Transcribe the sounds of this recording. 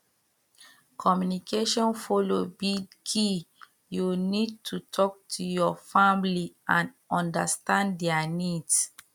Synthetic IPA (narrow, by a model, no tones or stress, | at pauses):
kʰɔmjunikʰeʃɔ̃nfolobidkʰi | junid̚tʰutʰɔk̚tʰujɔfãmliãn | ɔ̃ndastãnddɛanids